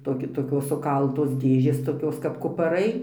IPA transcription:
toːˈkʲɪ toːˈkʲoːs sʊˈkɐlˠtoːs ˈdʲeːʒʲeːs toːˈkʲoːs kɐp kʊpɐˈrɐɪ

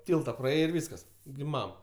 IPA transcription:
ˈtʲiːlˠtɐ prɐˈeːjɛɪ ɪr ˈʋʲiːskɐs ɡʲɪ ˈmɐm

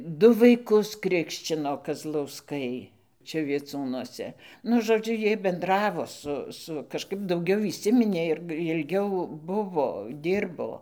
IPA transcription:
ˈdʊ ʋɐɪˈkʊs ˈkrʲɪkʃʲt͡ʃʲɪnoː kɐzlˠɐʊsˈkɐɪ ˈt͡ʃʲɛ ʋʲiɛˈt͡suːnuɔsʲɛ ˈnʊ ʒoːˈd͡ʒʲʊ ˈjiɛj bʲɛnˈdrɑːʋoː ˈsʊ ˈsʊ kɐʃˈkɐɪp dɐʊˈɡʲɛʊ iːˈsʲɪmʲɪnʲeː ɪr jɪlʲˈɡʲɛʊ ˈbʊʋoː ˈdʲiːrboː

